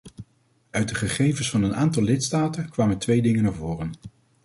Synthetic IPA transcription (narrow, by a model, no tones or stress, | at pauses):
œɥt̚dəχəχejvənsfɑnənaːntɑlˠlɪtstaːtənkʋaːməntʋejdɪŋənaːɹvʊːrən